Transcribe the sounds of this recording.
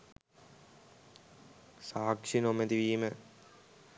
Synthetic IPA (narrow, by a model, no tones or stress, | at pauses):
saːkʂinomed̪iʋiːmə